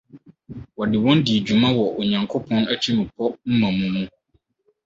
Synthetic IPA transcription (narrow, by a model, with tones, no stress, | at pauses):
wɔ˨dɪ˨wɔ̃˦ndi˨d͡ʑu˨mã˦wɔ˨ʔo˨ɲã˨ŋkʰo˦pʰɔ̃˦næ˦t͡ɕʰi˦mʊ̃˨pʰɔ˦m̩˦mã˨mũ˦mũ˦